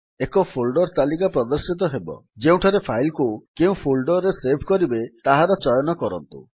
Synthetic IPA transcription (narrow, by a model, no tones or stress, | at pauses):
ekɔpʰolɖɔɾt̪alik̬apɾɔd̪ɔɾsit̪ɔɦebɔ̰d͡ʒeũʈʰaɾepʰajlkukeũpʰolɖɔɾesebʱkɔɾibet̪aɦaɾɔt͡ʃɔjɔnɔkɔɾɔ̰nt̪ṵ